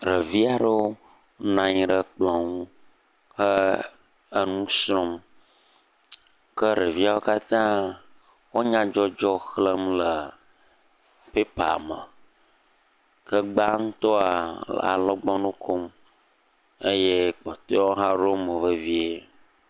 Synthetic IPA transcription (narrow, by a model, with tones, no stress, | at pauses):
ɾə˨vi˦a˨ɖə˦wo˦ | nã˨ɲĩ˨ɖə˨k͡plɔ̃˨ŋũ˦ | xə˦ | ə˦nũ˦sɾɔ̃˦m | kə˦ɾə˨vi˦a˦wo˦ka˦t̪ã˦ | wo˦ɲã˦d͡ʒɔ˦d͡ʒɔ˦xlə˦mlə˨ | pe˦pa̰˨mə˨ | kə˦ɡ͡ba˦ŋũ˦t̪ɔ˦a˨l̰a̰˨lɔ˦ɡ͡bɔ˦nũ˦kʰo˦m | e˦je˦k͡pɔ˨t̪e˦wo˦ɦã˦ɾo˦mə˨və˦vi˦e˦